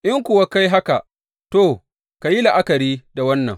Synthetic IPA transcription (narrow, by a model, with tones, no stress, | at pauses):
ʔɪ˦ŋkʷʊ˨wa˦ka˦jɦa˦ka˨ʔ | toː˦˨ | ka˨ji˦la˨ʔa˦kɐ˨ɾiː˦da˨wɐ˦nːɐ̰˨ŋ